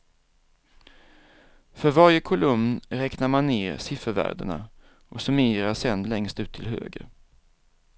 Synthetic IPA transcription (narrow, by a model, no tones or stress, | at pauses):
fœɾvaɾjəkʰʊlɵmnɾɛknaɾmanːeːɾsɪfəɾvæ̰ːɖ̪ə̰ɳa̰ | ʔɔsɵmeːɾasɛnd̪lɛŋst̪ʉ̟ːt̪ʰːɪlɦø̰ːɡə̰ɾ